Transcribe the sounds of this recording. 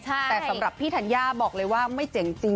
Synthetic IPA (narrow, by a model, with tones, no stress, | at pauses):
t͡ɕʰt̪ɛː˨˩sa˦˩mɾa˨˩pʰːiː˥˩t̪ʰa˧njaː˥˩bɔː˨˩k̚lɤː˧jwaː˥˩ma˥˩jt͡ɕe˨˩˦ŋt͡ɕi˧ŋ